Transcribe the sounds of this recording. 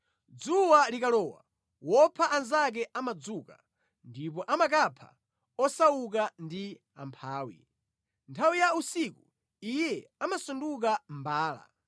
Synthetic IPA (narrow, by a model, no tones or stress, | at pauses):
d͡zuwalikalɔːwa̰ | wɔpʰaʔanzak̬ɛʔamad͡zuːka | ndip̬ɔʔamakapʰa̰ | ɔsawuk̬andi | a̰mpʰaːwḭ | ntʰawijausiku | ijɛamasunduk̬am̩baːla̰